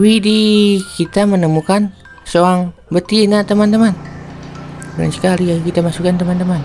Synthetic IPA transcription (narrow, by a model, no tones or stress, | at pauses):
widikit̪amənəmukan | soaŋbət̪inat̪əmant̪əman | bula̰nsə̥kaliakit̪amasukant̪əmant̪əman